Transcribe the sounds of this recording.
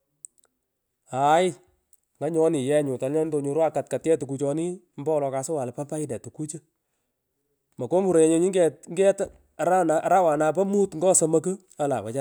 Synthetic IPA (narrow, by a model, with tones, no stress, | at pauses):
a˨˦j | ŋa˦ɲɔ˦ni˨jɛ˦ɲʊ˨ta˨lɛ˦ndo˨ɲo˨ɾwa˦ka˨t̚ka˨tjɛ˦tu˨ku˨t͡ʃɔ˧ni˦ | mbɔ˦ɔ˨lɔ˨ka˨so˦wa˨lpa˦pa˦ɪ˦dɛ˨tu˨ku˦t͡ʃə˦ | mɐ˨ko˦mu˨ɾo˨je˨ɲe˨˦ɲi˦ŋɡɛ˦ŋɡɛ˦t | ɾa˦na˨ɾa˦wa˨na˨pɐ˦mu˦tŋɡɔ˦sə˨mɐ˦kə˦ | a˨˦la̰˨pa˨t͡ʃa˦